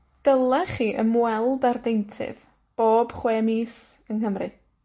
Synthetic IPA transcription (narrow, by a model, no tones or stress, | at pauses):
d̥əlˠɛχiːʔəmwɛlˠdardejntʰɪ̰ð | b̥oːb̥χweːmiːsənhəmrɨ̰